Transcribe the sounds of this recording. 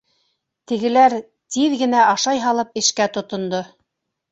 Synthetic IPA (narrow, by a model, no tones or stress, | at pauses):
t̪ɘ̆ɡɘ̆læɾ | t̪iðɡɘ̆næʔɑʃɑjɦɑlˠɤp̚ɘ̆ʃkæt̪ŏt̪ŏnd̪o